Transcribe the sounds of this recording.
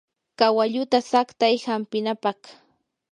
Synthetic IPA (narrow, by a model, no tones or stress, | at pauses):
kawaʎʊt̪asakt̪ajhampɪnapɑχ